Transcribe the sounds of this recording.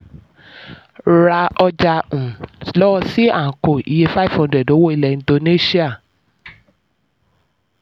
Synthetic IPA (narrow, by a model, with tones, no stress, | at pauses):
ɾa˧ɔ˧d͡ʒa˧ũ˨lɔ˦ɔ˧si˦a˦˨ko˨i˨je˧fa˦˨fɔ̃˨˧˦dɛ˨do˨˦wo˦˨i˧lɛ˨n̩˦do˧ne˦˨si˦a˦˨